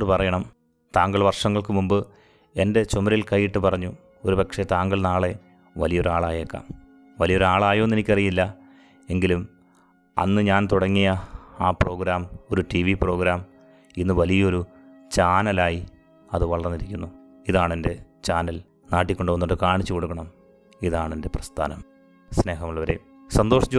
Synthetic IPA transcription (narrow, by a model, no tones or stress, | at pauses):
ɨpɐrɐjɐɳɐm | t̪aːŋɡɐɭʋɐrʂɐŋːɐɭkɨmumbɨ | e̞nde̞t͡ɕomɐɾilkɐjːiʈːɨpɐrɐɲːu | oɾupɐkʂe̞t̪aːŋɡɐɭnaːɭe̞ | ʋɐlijo̞ɾaːɭaːjekːɐ̰m | ʋɐlijo̞ɾaːɭaːjonːenikʲːɐrijilːɐ | e̞ŋɡilum | ɐ̰nːɨɲaːnt̪uɽɐŋːijɐaːpro̞ːɡɾaːmo̞ɾuʈiʋipro̞ːɡɾaːm | inːɨʋɐlijɐo̞ɾu | t͡ɕaːnɐlaːji | ɐðɨʋɐɭɐrnːiɾikʲːunːu | iðaːɳende̞ | t͡ɕaːnɐl | naːʈːikʲːo̞ɳɖuʋɐnːuʈːɨkaːɳit͡ɕːuko̞ɽukːɐɳɐm | iðaːɳende̞prɐst̪ʰa̰ːnɐm | sne̞ːɦɐmuɭːɐʋɐɾḛ | sɐnd̪oːʂɐt͡ɕː